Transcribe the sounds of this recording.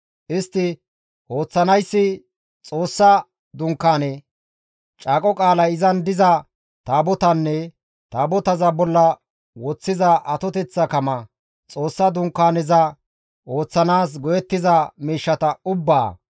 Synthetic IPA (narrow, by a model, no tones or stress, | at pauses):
ʔɪst̪ːɪ | o̞ːt͡sːɐnɐjsːɪ | t͡sʼo̞ːsːɐ | d̪ʊŋkːaːnɛ | t͡ʃʼaːkʼɔkʼaːlɐjɪzɐnd̪ɪzɐ | t̪aːbɔt̪ɐnːɛ | t̪aːbɔt̪ɐzɐbɔlːɐ | wɔt͡sːɪzɐʔɐt̪ɔt̪ɛt͡sːɐkɐmɐ | t͡sʼo̞ːsːɐd̪ʊŋkːaːnɪzɐ | o̞ːt͡sːɐnaːs̬ɡɔjɛt̪ːɪzɐmiːʃːɐt̪ɐʊbːa̰ː